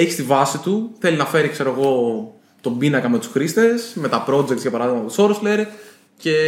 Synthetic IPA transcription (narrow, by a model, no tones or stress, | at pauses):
eçist̪ivɐsit̪uθe̞linɐfe̞ɾikse̞ɾoeɣo̞ | t̪o̞binɐkɐme̞t̪u̥sɾist̪e̞sme̞t̪ɐpɾo̞d͡ʒekt̪sʝɐpɐɾɐðiɣmɐpo̥so̞ɾosleɾe | ce̞